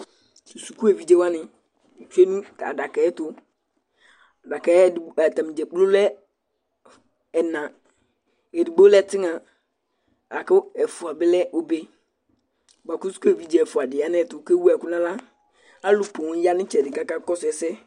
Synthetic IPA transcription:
su˨su˨ku˦e˨vi˨d͡ʒe˦wa˦nɪ̃˨ | t͡ʃe˦nũ˦ta̰˨da˨kɛ˨ɛ˦tʊ˦˨ | da˨kɛ˨˦˨a˨ta˨m˨d͡ʒɛ˨k͡plo˦lɛ˦ | ɛ˨nã˨ | e˨di˨ɡ͡bo˦lɛ˦˨tɪ˦ŋã˨ | a˨kɪ˦ɛ˨fʊ˨a˨bɪ˦lɛ˦ʔo˦be˦ | ba˨ku˦su̥˦ku˦e˨vi˨d͡ʒe˦˨fʊ˨a˨dɪ˨a˦n˦ɛ˦˨˦tʊ˨kɛ˦wu˦a˨kʊ˦nã˦la˦ | a˦lʊ˨pʊ˨wja˦nɪ̃˦t͡ʃɛ˨dɪ˨ka˦ka˦kɔ˦sʊ˨ɛ˨sɛ˦

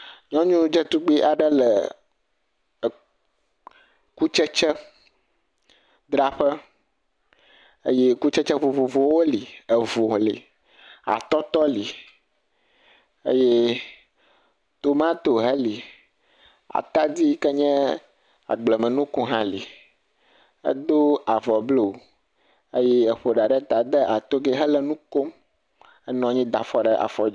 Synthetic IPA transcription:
ɲɔ̃˦ɲũ˦d͡ʒə˦t̪u˦ɡ͡bi˦ʔa˨ɖə˦lə˨ | ku˦t͡ʃɛ˦t͡ʃɛ˦ | d̪ɾa˦ɸə˦ | ə˦jɛ˦ku˦t͡ʃɛ˦t͡ʃə˦vo˨vo˨vo˨wo˦li˨ə˨vo˨lḭ˨ | a̰˨t̪ɔ˦t̪ɔ˦li˨ | ḛ˦jɛ˦ | t̪o˦mã˦t̪o˨ɦɛ˦li˨ | a̰˨t̪a˦di˦kɛ˦ɲɛ̃˦ | a̰˨ɡ͡blɛ˨mɛ̃˨nũ˦kũ˦ɦã˦li˨ | ə̰˦d̪o˦a˨vɔ˨blo˦˨ | e˦jɛ˦ɛ˨ɸo˨ɖa˨ɖɛ˦t̪a˨d̪ɛ˦ʔa˨t̪o˦ɡe˦ɦɛ˦lɛ˨nũ˦ko˦m | ɛ˦nɔ̃˨ɲĩ˦d̪a˨fɔ˦ɖɛ˦ʔa̰˨fɔ˦

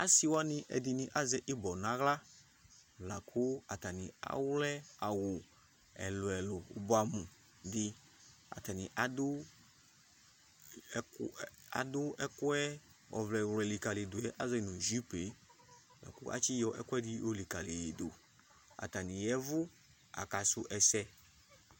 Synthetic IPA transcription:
a˦si˦wa˦nɪ̃˨ʔɛ̰˨dɪ˨nɪ̃˨ʔa˦zɛ˦ʔɪ˦bɔ˨nã˦ɣla˦ | la˨kʰʊ˦a˨ta˨nĩ˨a̰˨wlɛ˦a˨wʊ˨ | ɛ̰˨lʊ˨ɛ˨lʊ˨ʊ̰˨bʊ˦a˨mũ˨ | dɪ˨ | a̰˨ta˨nɪ̃˨ʔa˨dʊ˦ | a̰˨dʊ˦ɛ˦kʊ˦ɛ˦ | ɔ̰˨vlɛ˨wlɛ˨li˨ka˨lɪ˨dʊ˨ɛ˦ʔa˨zɔ˦i˨nʊ̃˨ʒi˦pe˨˦ | la̰˨kʊ˦ʔa̰˦t͡ʃi˦jɔ˦ʔɛ̰˦kʊ˦ɛ˦di˦o˦li˨ka˨le˨jdo˨ | a̰˨ta˨nĩ˨jɛ˦vʊ˦ | a̰˨ka˨sʊ˦ʔɛ˨sɛ˦

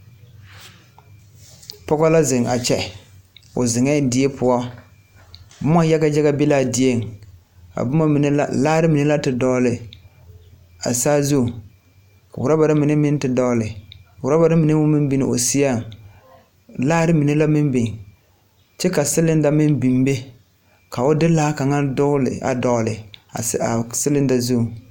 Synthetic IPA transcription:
pɔ˦ɣɔ˦la˦zɪ˨ŋa̰˨t͡ʃɛ˦ | ʊ̰˨zɪ˨ŋɛ˦dɪ˦e˦pʰʊ˦ɔ˦ | bʊ˦ma˦ja˦ɡa˦d͡ʒɛ˦ɣa˦bɪ˦laː˦˨di˨˦e˦˨ŋ | a̰˨bʊ˦ma˦mi˨ne˦la˦laː˦ɾɪ˦mi˨ne˦la˦tɪ˨dɔː˦lɪ˨ | a̰˨saː˦zu˦˨ | ka˨wʊ˨ɾa˦ba˨ɾa˦mɪ˨nɪ˦mɪ˦n˦tɪ˨dɔ˦lɪ˨wʊ˨ɾa˦ba˨ɾa˦mi˨ne˦mʊ˦mɪ˦m˦bi˨nɪ˨o̰˨si˦ja˦˨ŋ | laː˦ɾɪ˦mi˨ne˦la˦mɪ˦mbi˨n˨ | t͡ʃɛ˦ka˨sɪ˦lɪ˦nda˨mɪ˦nbi˨mbe˦ | ka˨ʊ˦dɪ˦laː˦ka˨ŋa˦dʊ˦lɪ̰˨a̰˨dɔ˨lɪ˨˦a˨sɪ˦lɪ˦nda˨zu˦˨

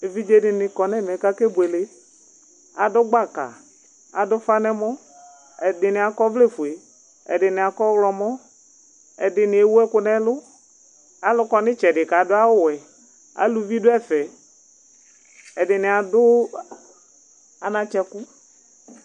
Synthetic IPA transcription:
e˨vi˦d͡ʒe˦dɪ˨nɪ˨kɔ˨nɛ˦mɛ˨ka˦ke˦bʊ˨e˨le˦ | a˨dʊ˦ɡ͡ba˦˨ka̰˨ | a˨dʊ˦fa˦nɛ˦mɔ˦ | ɛ˨dɪ˨nɪ˨a˨kɔ˦vle˦˨fu˨e˨ | ɛ̰˨dɪ˨nɪ˨a˨kɔ˦wlɔ˨mɔ˦ | ɛ̰˨dɪ˨nɪ˨e˦wu˦ɛ˦kʊ˦nɛ˦lʊ˦ | a˨lʊ˦kɔ˨nɪ˦t͡ʃɛ˨dɪ˨ka˨˦dʊ˦a˦wʊ˦˨wɛ˨ | a̰˨lu˨˦vi˦dʊ˦ɛ˦fɛ˨ | ɛ˨dɪ˨nɪ˨a˨dʊ˦ | a˨nã˨t͡ʃɛ˨kʊ˦

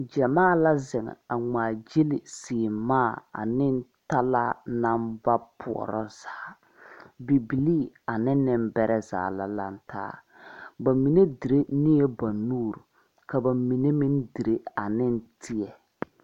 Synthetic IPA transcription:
d͡ʒɛ˨maː˦˨la˦zɪ˨ŋɛ̰˨a˨ŋ͡maː˨d͡ʒe˦lɪ˨siː˨maː˦˨a̰˨nɪ˦n˦ta˦la˦na˦mba˦pʰʊ̰˨ɔ̰˨ɾɔ˦z̥aː˨˦ | bi˨bi˨liː˦ | a˨nɪ˦nɪ˦mbɛ˦ɾɛ˦za̰ː˨la˦la˦n˦tʰa̰ː˦ | ba˨mi˨ne˦di˨ɾe˦ni˦e˦ba˨nuː˦˨ɾu˨ | ka˨ba˨mi˨ne˦mɪ˦ndi˨ɾe˦a˨nɪ˦ntʰɪ˦ɛ˨

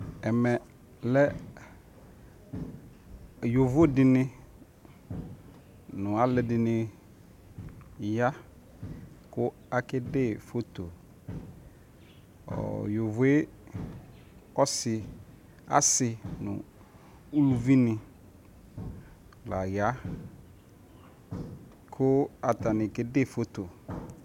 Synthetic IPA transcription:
ɛ˨mɛ˨ | lɛ˦ | jo˨vʊ˦dɪ˨nɪ̃˦ | nʊ̃˨a˨lɛ˨dɪ˨nɪ̃˦ | ja˦ | kʊ˦ | a˦kɪ˦dɪ˦˨fo˦t̪o˨ | ɔ̰˨jo˨vʊ˨e˦ | ɔ˦sɪ˨ | a̰˦sɪ˨nʊ̰̃˨ | u˦lu˨vi˦nɪ̃˨ | la˨ja˦ | kʰʊ˦a˨t̪a˨nɪ̃˨kɪ˦de˦˨fo˦to˨

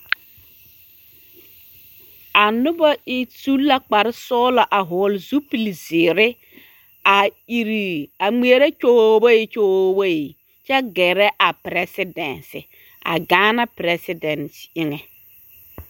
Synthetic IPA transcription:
a˨nʊ˦ba˦ɪ˦su˦lːa˦k͡pa˨ɾɪ˦sɔː˦la˨ʔa˨ɦɔ˨lzu˦pi˨lzɪ˨ɾɪ˦ | a˨i˨ɾi˨a˨ŋ͡me˨e˦ɾe˦t͡ʃo˦ba˦ɪ˦t͡ʃo˦ba˦i˨ | t͡ʃɛ˦ɡɛ˨ɾɛ˦ʔa˨pɾɛ˦sɪ˦dɛ˨nsɪ̰˨ | a̰˨ɡaː˦na˦pɾɛ˦sɪ˦dɛ˨ntɪ˦ŋɛ˨

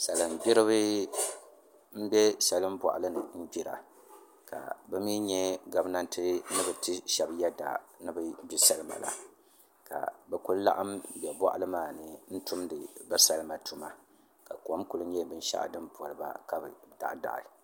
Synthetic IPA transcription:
sa˨lɨ˨m˨bʲi˦ɾɨ˦βɨ˦ | m̩˦bʲɛ˦sa˦lɨ˦mba̰˨ʔa˨lɨ˦nɨ˨m̩˦bi˦ɾa̰˨ | ka̰˨bɛ˦mi˦ɲɛ˦ɡa˨bna˦ntɨ˦nɨ˦bɨ˨tɨ˦ʃɛ˨bjɛ˦da̰˨nɨ˦bɨ˦bi˦sa˦lɨ˦ma̰˨la̰˨ | ka̰˨bɛ˦ku˦lla̰˦ʔa˦m˦bɛ˨bɔ̰˦ʔlɨ˦maː˨nɨ˨n̩˦tu˦mdɨ˨ba˦sa˦lɨ˦ma˨tu˦ma˨ | ka˨kɔ˨˦mku˦lɨ˦ɲɛ˦bɨ˦n̩˦ʃa̰˦ʔdɨ˦mpɔ˨lɨ˨ba̰˨ka˦bɨ̰˨da̰˨ʔda̰˨ʔa̰˨

